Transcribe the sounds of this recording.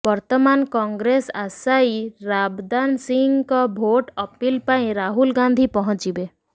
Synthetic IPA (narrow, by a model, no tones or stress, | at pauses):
bɔɾt̪əmankɔ̃ŋɡɾesasaiɾabd̪ansĩŋɡkɔbʱoʈɔpilpaĩɾaɦulɡãnd̪ʱipɔɦɔ̃t͡ʃibe